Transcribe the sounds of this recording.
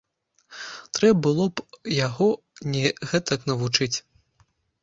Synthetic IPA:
t̪ɾɛbbɨlˠɔpjaɣɔ | nʲɛɣɛt̪ɐknɐvut͡ʂɨt͡sʲ

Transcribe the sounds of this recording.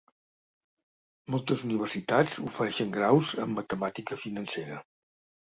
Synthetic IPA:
mɔlˠt̪əzuniβ̞ərsit̪ad͡zṵfəɾɛʃəŋɡɾawzə̰mːət̪əmat̪ikəfinənseɾə

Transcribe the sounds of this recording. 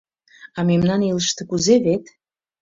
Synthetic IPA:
ɑmemnɑniləʃt̪ĕkuzeβet̪

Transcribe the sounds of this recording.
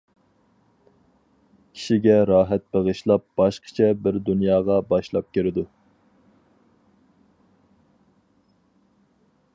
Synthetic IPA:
kʲʰi̥ʃiɡʲɛɾɑːɦɛt̪̚beʁɨʃlˠɑp̚b̥ɑʃqʰə̥t͡ʃʰɛbɪɾd̪unjɑːʁɑbɑʃlˠɑp̚kʲeɾɪd̪u

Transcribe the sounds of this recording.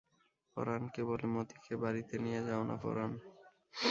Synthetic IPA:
fɔ̰ɾankebolemot̪i̥kʰebaɾit̪enijed͡ʑaonʔa̰fɔ̰ɾan

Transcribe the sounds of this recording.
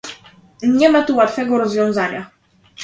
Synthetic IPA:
ɲɛmat̪uwat̪fɛɡɔɾɔzvʲjɔ̃w̃zaɲa

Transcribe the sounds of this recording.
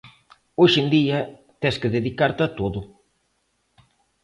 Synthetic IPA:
oʃend̪iɐ | t̪ɛskɪðeðikaɾt̪ɐt̪oðʊ

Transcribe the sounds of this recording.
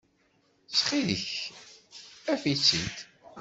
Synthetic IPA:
t͡sːχiðə̰ç | æfit͡sːid̪

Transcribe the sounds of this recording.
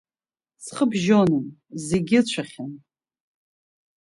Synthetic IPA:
sχəbʒonɨnze̞ɡʲɪt͡ɕʷʰaχʲan

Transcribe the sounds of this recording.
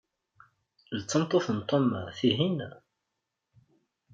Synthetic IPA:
lət͡sːəmt̪ˤoθənt̪ˤoma̰θiɦin

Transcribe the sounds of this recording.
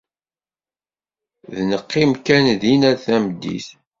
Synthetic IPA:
ðnəqːimkænðinæθæmd̪ːḭθ

